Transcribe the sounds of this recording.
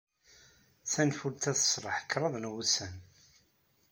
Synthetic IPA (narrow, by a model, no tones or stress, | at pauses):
θænfult̪æθə̥sɾˤəħkːɾˤəðˤnwusæn